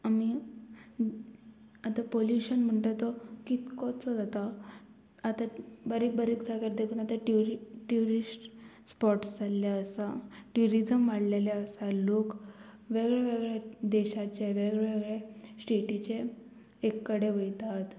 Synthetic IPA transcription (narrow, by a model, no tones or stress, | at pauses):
ami | at̪apoljuɕənm̤əɳʈ̪at̪ɔkit̪kɔt͡sɔd͡zat̪a | at̪abaɾik̚bəɾikd͡zʱakaɾd̪ekʰuːnat̪aʈuɾʈuɾisʈ | spɔʈsd͡zalːjaəsaʈuɾid͡zəmʋaɽleljaəsalok | ʋeɡɭjeʋeɡɭed̪eɕat͡ɕeʋeɡɭeʋeɡɭjesʈiʈit͡ɕeː | kːəɽeʋəjt̪at̪